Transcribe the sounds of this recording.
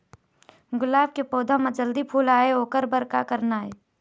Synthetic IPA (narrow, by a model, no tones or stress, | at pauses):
ɡʊlaːb̚kepoːd̪ʱãmãd͡ʒəld̪ipʰuːlaːeoːkəɾbəɾka̰kəɾnaːeː